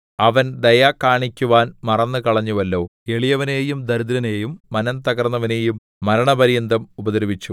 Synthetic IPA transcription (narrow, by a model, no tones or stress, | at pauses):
ɐʋɐnd̪ɐjaːkːaːɳikʲːuʋaːnmɐrɐnːɨkɐɭɐɲːuʋɐlːo̞ːe̞ɭijɐʋɐne̞ːjumd̪ɐɾud̪iɾɐneːjumːɐnɐmt̪ɐɡɐrnːɐʋɐne̞ːjumːɐɾɐɳɐbɐɾijɐnd̪ɐmubɐd̪ɐɾɐbit͡ɕːu